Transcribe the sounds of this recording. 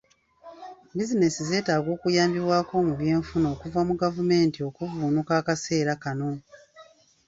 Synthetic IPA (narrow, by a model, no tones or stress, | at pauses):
bizine̞size̞ːtaːɡo̞ːkujaːmbiβwaːko̞muβje̞ːɱfuno̞ːkuvamuɡavume̞ːntio̞kuvuːnukaːkase̞ːɾakano̞